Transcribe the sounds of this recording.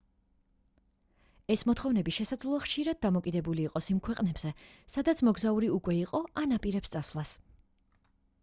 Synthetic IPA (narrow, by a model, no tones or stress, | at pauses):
ɛsmɔt̪ʰχɔvnɛbiʃɛsad̪zlˠaχʃiɾad̪̚d̪amɔkʼid̪ɛbuliːqʼɔsimkʰwɛqʼnɛbz̥ɛsad̪at̪sʰmɔɡzauɾiukʼwɛiqʼɔʔanapʼiɾɛpst̪sʼasvlˠas